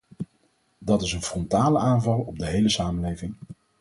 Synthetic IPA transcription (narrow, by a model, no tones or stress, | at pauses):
dɑtɪsənfrɔntaːləaːnvɑlˠɔb̚dəɦejləsaːmənlejvɪŋ